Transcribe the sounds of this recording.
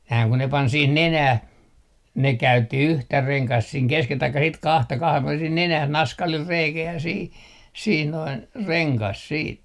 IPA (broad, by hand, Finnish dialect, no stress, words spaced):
næː ku ne pɑn sih nenæh ne kæytːi yhtæ reŋkɑst siːŋ keskel tɑikːɑ sit kɑhtɑ kɑhem puɔlen sih nenæh nɑskɑlil reikæ jɑ sih sih noin reŋkɑs siːt